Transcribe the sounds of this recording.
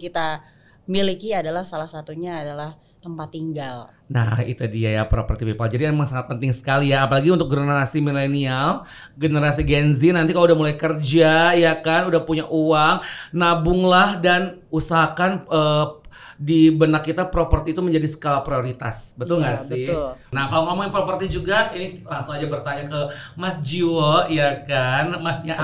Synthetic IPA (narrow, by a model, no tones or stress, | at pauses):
kit̪a | milikiadalahsalahsat̪uɲaːdalah | t̪əmpat̪ːiŋɡal | na̰hḭt̪udiajapɾopərt̪ipepald͡ʒadiamaŋsaŋat̪̚pənt̪ɪŋsə̥kalijaːpalaɡiunt̪ʊk̚ɡənəɾasimilenial | ɡənəɾasiɡɛnzinːant̪ikaloudahmulajkərd͡ʒajakanudahpuɲaʔuwaŋnabʊŋlahdanusaɦakanə | dibənakːit̪apɾopərt̪iːt̪uməɲd͡ʒadisə̥kolapɾioɾit̪a̰sbət̪ʊlŋɡasɪnahkaloŋomɔŋɪnpɾopərt̪id͡ʒuɡainilaŋsʊŋad͡ʒabərt̪aɲakəmasd͡ʒiwoijakanmasɲa